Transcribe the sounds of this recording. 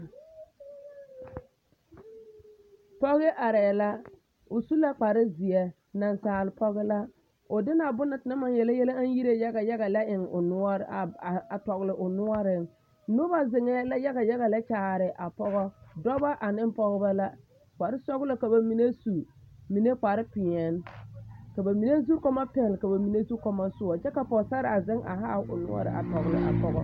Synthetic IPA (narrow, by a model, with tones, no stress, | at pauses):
pɔ˦ɣɪ˦ʔa˨ɾɛː˨la˦ | ʊ˨su˦la˦k͡pa˨ɾɪ˦zɪ˨ɛ˨ | na˨nsaː˨lɪ˨pʰɔ˦ɣɪ˦la˦ | ʊ˨dɪ˦na˨bʊ˦na˨tɪ˨na˦ma˨njɛ˨la˦jɛ˦la˦a˦n˦ji˦ɾe˦ja˦ɡa˨ja˦ɣa˨la˦ʔɪ˨ŋʊ̰˨nʊ˦ɔ˦ɾa˨tɔ˨ɣlɪ˨ʔʊ˨nʊ˦ɔ˦ɾɪ˨ŋ | nʊ˦ba˦zɪ˨ŋɛ˦la˦ja˦ɡa˨ja˦ɣa˨la˦t͡ʃaː˨ɾɪ˨ʔa˨pɔ˦ɣɔ˦dɔ˦ba˦ʔa˨nɪ˦m˦pɔ˦ɣba˦la˦ | k͡pa˨ɾɪ˦sɔ˦ɡʊ˦la˨ka˨ba˨mi˨ne˦su˨ | mi˨ne˦k͡pa˨ɾɪ˦pɪ˨ɛ˨n˦ka˨ba˨mi˨ne˦zu˦ɾkɔ˦ma˦pɛ˨lɪ˨ka˨ba˨mi˨ne˦zu˦ɾkɔ˦ma˦sʊ˦ɔ˨t͡ʃɛ˦ka˨pɔ˨ɡsa˦ɾɪ˨a˨zɪ˦ŋʔa̰˨ɦa˦˨ʊ̰˨nʊ̰˦ɔ̰˦ɾɪ̰˨a̰˨tɔ˨ɣlɪ˨ʔa̰˨pɔ˦ɣɔ̰˦